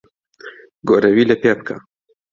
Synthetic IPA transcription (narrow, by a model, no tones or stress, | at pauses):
ɡoɾɐwiːlɐpep̚kʰa̰